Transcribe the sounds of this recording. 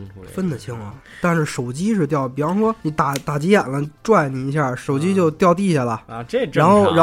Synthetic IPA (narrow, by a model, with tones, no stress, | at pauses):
fə˥nd̪ə˨t͡ɕʰi˥ŋɐ̰˨˩ | t̪a˥˧nʂɻ̩˥˩ʂo˨˩ʊt͡ɕi˥ʂɻ̩˥˧t̪̬jɑ˥˩ʊpi˨˩fɑ˥ʂwɔ˥ni˧˥t̪a˨˩t̪a˨˩t͡ɕi˧˥ja˨˩nlə˦ʈ͡ʂwa˥˩ɪni˨˩i˧˥ɕ̬ja˥˩ʂo˨˩ʊt͡ɕi˥t͡ɕjo˥˧ʊt̪jɑ˥˧ʊt̪i˥˧ɕja˥˩lə˩a˧˥nxo˥˩ʊɻa˧˥